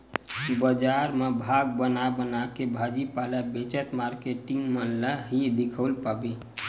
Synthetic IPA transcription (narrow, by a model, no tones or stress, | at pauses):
bəd͡ʒaɾmebʱaɡ̚bənabənakebʱad͡ʒipalabet͡ʃət̪maɾkeʈiŋɡmənlaɦid̪ikʰəwlpabi